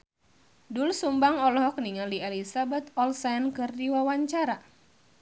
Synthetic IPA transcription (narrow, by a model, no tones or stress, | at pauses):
dulsumbaŋɔlɔɦɔk̚niŋalialisabat̪ɔlsankɨrdiwawaɲt͡ʃaɾa